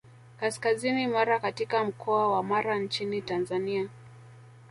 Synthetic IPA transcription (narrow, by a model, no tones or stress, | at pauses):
kaskazinimaɾakatikam̩kʰɔawamaɾant͡ʃinitanzania